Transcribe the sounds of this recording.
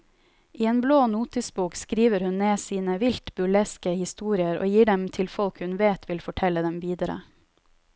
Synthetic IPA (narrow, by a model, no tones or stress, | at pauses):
ʔiːeːnbloːnuːt̪ɪsbuːkskɾiːʋəɾhʉnneːsiːnəʋɪlt̪bʉlɛskəhɪst̪uːɾɪəɾo̰ːjiːɖɛmt̪ʰɪlfɔlkhʉnʋeːt̪ʰʋɪlfɔʈʰɛləd̪ɛmʋiːd̪əɾə̰